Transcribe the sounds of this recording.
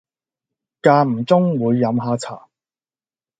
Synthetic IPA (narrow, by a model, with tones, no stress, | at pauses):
kaː˧m̩˨˩t͡sʊ˥ŋwuː˨˧jːɐ˨˧mɦaː˨˧t͡sʰa̰ː˨˩